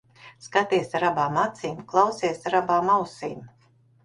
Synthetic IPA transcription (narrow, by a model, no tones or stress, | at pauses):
skat̪iɛsaɾabaːmat̪siːmklˠawsiɛsaɾabaːmawsiːm